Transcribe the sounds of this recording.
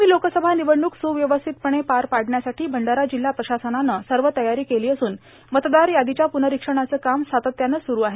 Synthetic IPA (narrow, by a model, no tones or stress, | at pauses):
miːlokəsəbʱaniʋəɳːuːksuʋjəʋəst̪ʰit̪̚pəɽ̃epaɾpaɽɳjasaʈiːbʱəɳɖaɾad͡ʑilːapɾəɕasənanːəsəɾʋət̪əjaɾiːkeliːəsuːn | mət̪d̪aɾjad̪it͡ɕjapunəɾikʂəɽ̃at͡səːkamsat̪ət̪janːəːsuɾuːaɦe